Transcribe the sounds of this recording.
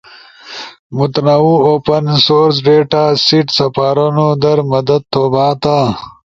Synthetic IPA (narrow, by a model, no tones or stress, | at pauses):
mut̪nɐuoːpɐnsoːɾs̬ɖeːʈasiʈsɐpaːɾɐnod̪ɐɾmɐd̪ɐd̪̚t̪ːoːbaːt̪a